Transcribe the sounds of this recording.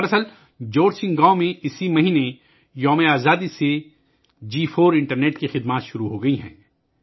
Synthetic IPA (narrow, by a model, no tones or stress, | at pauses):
bɐsəl | d͡ʒoːɾd͡ʒsɪ̃ŋɡãːomẽɪsimɐɦiːne | jɔːmeaːzaːd̪ise | d͡ʒiːfʰoːɾɪ̃ɳʈəɾneːʈkixɪd̪maːt̪ʃʊɾuɦoɡɐiɦɛ̰̃ː